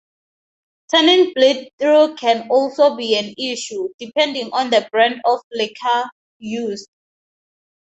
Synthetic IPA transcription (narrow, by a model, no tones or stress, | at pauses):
tʰɛnĩŋbletɹokʰɛ̃nɔlsobiɛ̃niʃudipʰɛ̃ndĩŋɔ̃ndəbɹãndɔflekʰa | jusd